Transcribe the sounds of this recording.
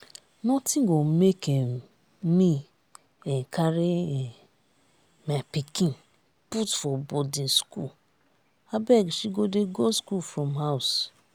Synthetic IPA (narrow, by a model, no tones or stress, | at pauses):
nɔtĩnɡomekɛ̃ | mi | ɛ̃kʰaɹeɛ | mapikĩn | putfɔbɔdĩnskṵl | abɛɡʃiɡodeɡoskufɹɔ̃mhaʊs